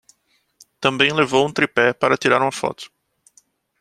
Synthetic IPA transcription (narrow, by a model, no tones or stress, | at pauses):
t̪ɐ̃mbẽj̃levowũt̪ɾipɛpaɾɐt̪iɾaɾũɐfɔ̰t̪ʊ̥